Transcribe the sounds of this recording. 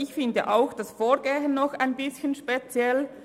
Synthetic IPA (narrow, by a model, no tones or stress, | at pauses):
ɪçfɪndə̰ʔaʊxd̥asfoːɹɡeːɦənːɔxaɪnbɪsçənʃpet͡sjɛl